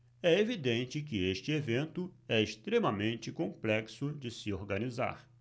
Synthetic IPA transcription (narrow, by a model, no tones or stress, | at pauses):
ɛevid̪ẽnt͡ʃɪkɪeʃt͡ʃɪevẽnt̪ʊɛeʃt̪ɾemɐmẽnt͡ʃɪkõmplɛksʊd͡ʒɪsɪoɾɡaniza̰ɾ